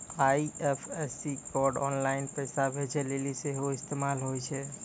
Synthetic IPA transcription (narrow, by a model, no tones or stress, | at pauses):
aiepʰɛsikɔɾɖɔ̰nlaɪnpɛɪsabʱet͡ʃʰɛleliseɦoɪst̪emalɦojt͡ʃʰɛ